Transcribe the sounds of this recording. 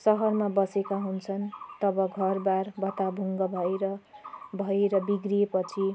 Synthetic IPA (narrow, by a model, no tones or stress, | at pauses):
sʌɦʌrmabʌsekaɦunt͡sʰʌnt̪ʌbʌɡʱʌrbarbʱʌt̪abʱuŋɡʌbʱʌeɾʌbʱʌeɾʌbiɡriepʌt͡sʰi